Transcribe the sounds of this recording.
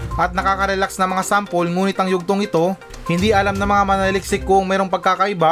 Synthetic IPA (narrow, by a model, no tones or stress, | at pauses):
ʔɐt̪̚nɐkaːkɐɾɛlaksnɐŋmɐŋasampolŋuːnɪt̪ɐŋjʊɡ̚t̪oŋɪt̪o̞ | hɪnd̪iʔɐlamnɐmɐŋamɐnɐɐlɪk̚sɪkːoɐŋmɛːɾoŋpɐɡ̚kaːkɐʔɪba